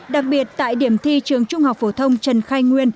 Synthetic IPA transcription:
ɗa˨˩k̚ɓi˨˩ət̚t̪a̰ː˧˨jɗi˧˩əmt̪ʰi˧t͡ɕɨ˨˩əŋt͡ɕʊ˧ŋ͡mha˨˩wk͡p̚fo˧˩t̪ʰə˧wŋ͡mt͡ɕə˨˩nxaː˧jŋwi˧ən

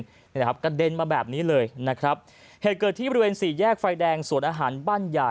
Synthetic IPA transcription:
kʰa˦˥p̚ka˧de˧nmaː˧bɛː˨˩p̚niː˦˥lɤː˧jna˦˥kʰɾa˦˥p̚ | heː˨˩t̪̚kɤː˨˩t̪ʰːiː˥˩bɔ˧ɾi˥weː˧nsiː˨˩jɛː˥˩k̚fa˧jdɛː˧ŋsu˨˩˦ənʔaː˧ɦaː˩˦nbaː˥˩nja˨˩

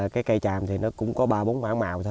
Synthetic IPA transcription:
kaː˨˦jkə˧jt͡ɕaː˨˩mt̪ʰi˨˩nɔ˨˦kʊ̰˧˥ŋ͡mkɔ˨˦ɓaː˧ɓo˨˦nma̰ː˧˥ŋma̰ː˧˨wt̪ʰ

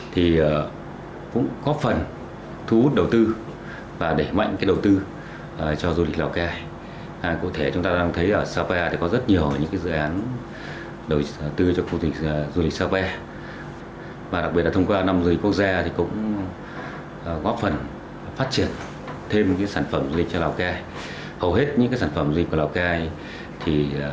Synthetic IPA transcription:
t̪ʰi˨˩˨ | kʊ̰˧˥ŋ͡mɣɔ˦˥p̚fə˨˩n | t̪ʰu˨˧˦u˦˥t̚ɗə˨˩wt̪ɨ˧ | vaː˨˩ɗe˧˩ma̰˧˨jŋkaː˨˦jɗə˨˩wt̪ɨ˧˨˩ | t͡ɕɔ˧zu˧li˨˩k̚laː˨˩wkaː˧˨˩ | kṵ˧˨t̪ʰe˧˩t͡ɕʊ˨˦ŋ͡mt̪aː˧ɗaː˧ŋt̪ʰə˨˦jʔəː˧˩saː˧kɛ˧t̪ʰi˨˩kɔ˨˦zə˦˥t̚ɲi˨˩əwɲɨ̰˧˥ŋkaː˨˦zɨ̰˧˨ʔaː˨˦n | ɗə˨˩wt̪ɨ˧t͡ɕɔ˧xu˧t͡ɕi˨˩zu˧lï˨˩k̚saː˧pɛ˧ | maː˨˩ɗa˨˩k̚ɓi˨˩t̚laː˨t̪ʰŋ͡mkwaː˧na˧mzu˧li̟˨˩ku˦˥ək̚zaː˧t̪ʰi˨˩kʊ̰˧˥ŋ͡m | ɣɔ˦˥fə˨˩n | faː˦˥t̚t͡ɕi˧˩ən | t̪ʰe˧mkaː˨˦jsaː˧˩nfə˧˩mzu˧li˨˩k̚t͡ɕɔ˧laː˨˩wkaː˧j | hə˨˩wɦe˦˥t̚ɲɨ̰˧˥kaː˨˦saː˧˩nfə˧˩mzu˧˨˩kːlːwkaː˧j | t̪ʰi˨˩

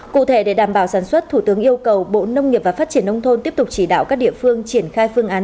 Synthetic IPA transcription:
kṵ˧˨t̪ʰe˧˩ɗe˧˩ɗaː˧˩mɓaː˧˩wsaː˧˩nswə˦˥t̚t̪ʰu˧˩t̪ɨ˨˦əŋʔi˧əwkə˨˩wɓo̰˧˨nə˧wŋ͡mŋi˨˩p̚vaː˨˩faː˦˥t̚t͡ɕi˧˩ənːʔə˧wŋ͡mt̪ʰo˧nt̪i˦˥əp̚t̪ʊ˨˩k͡p̚t͡ɕi˧˩ɗa̰ː˧˨wkaː˦˥k̚ɗḭ˧˨əfɨ˧əŋt͡ɕi˧˩ənxaː˧jfɨ˧əŋʔaː˨˦n

